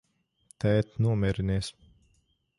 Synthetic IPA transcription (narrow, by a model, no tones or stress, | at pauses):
t̪ɛːt̪nuɔmʲɛɾiniɛs